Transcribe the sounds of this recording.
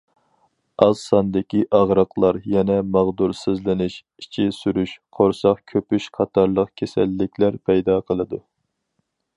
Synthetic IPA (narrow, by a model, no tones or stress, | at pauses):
ɑzsɑnd̪ɪkʲiʔɑʁɾɑqlˠɑɾjɛnɛmɑʁd̪uɾsɪzlɪnɪʃ | it͡ʃʰisyɾyʃqʰoɾsɑqkʲʰøpyʃqʰɑt̪ʰɑɾlˠəqkʲʰesælːɪkʲʰlæɾpʰɛjd̪ɑqʰəlˠɨd̪u